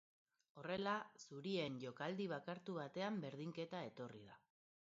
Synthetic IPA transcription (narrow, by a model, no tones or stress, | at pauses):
o̞re̞lasuɾie̞nʝo̞kald̪iβ̞akaɾt̪uβat̪e̞ambe̞ɾð̞iŋke̞t̪ae̞t̪o̞riða